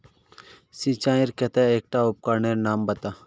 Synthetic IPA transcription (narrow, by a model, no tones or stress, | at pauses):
sit͡ʃaːiɾkɛt̪eeːk̚ʈaʊp̚kaɾneɾnaːmbɐt̪a